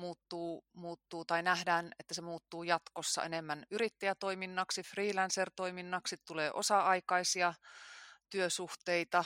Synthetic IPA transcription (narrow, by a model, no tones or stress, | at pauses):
muːt̪ːuːmuːt̪ːuːt̪ɑinæhdæːnet̪ːæsemuːt̪ːuːjɑt̪kosːɑ̰enemːænyɾit̪ːæjæt̪oiminːɑksifriːlænsert̪oiminːɑksit̪t̪uleːʔosɑɑikɑisiɑ | t̪yøsuht̪eit̪ɑ